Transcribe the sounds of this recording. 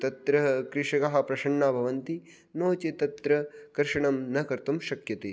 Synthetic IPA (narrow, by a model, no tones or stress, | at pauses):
t̪ɐt̪ɾɐɦɐkɾɪʂɐkɐɦɐ̆pɾɐʃɐɳːaːbʱɐʋɐnt̪i | noːt͡ʃit̪ɐt̪ɾɐkɐɾʃɐɳɐmnɐkɐɾt̪umʃɐkjɐt̪i